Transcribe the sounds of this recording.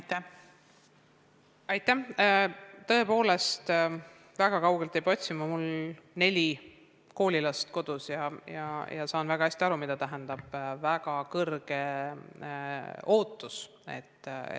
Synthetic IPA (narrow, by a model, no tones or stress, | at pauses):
ɑjt̪ːˑæ | t̪ɤ̞e̞po̞ːle̞st̪ | væɡ̥ɑkɑwɡ̥elt̪ejb̥o̞t̪ʲsimɑmulne̞lʲi | ko̞ːlʲilɑst̪ko̞d̪̥usjɑjɑ̰jɑ̰sɑːnvæɡ̥ɑhæsʲt̪iɑɾumid̪ɑt̪æɦɛnd̪̥ɑb̥væɡɑkɤrɡ̥e̞ | o̞ːt̪ːˑus | e̞̰t̪ː